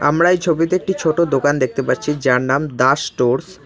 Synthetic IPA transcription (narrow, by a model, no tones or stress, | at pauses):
a̰mɾaejt͡ɕʰobit̪eek̚ʈit͡ɕʰoʈod̪okand̪ek̚t̪epaɾt͡ɕʰid͡ʑaɾnamd̪aʃʈoɾs